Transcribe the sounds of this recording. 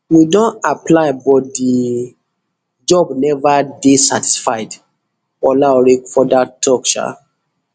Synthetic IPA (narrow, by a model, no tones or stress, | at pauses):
widɔ̃naplaɪbɔt̚di | d͡ʒɔbnɛvadesati̥sfaɪd | ɔlaɔɹikfɔdatʰɔkʃa̰